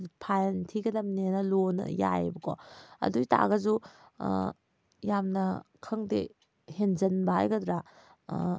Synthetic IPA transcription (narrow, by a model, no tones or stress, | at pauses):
pʰajntʰiɡɐdɐmnenɐlonɐ̰ja̰jbɐko̰ɐ̰dujta̰ɡɐzu | jamnɐkʰɐŋdḛ | henzɐnbaɦa̰jɡɐd̪ɾa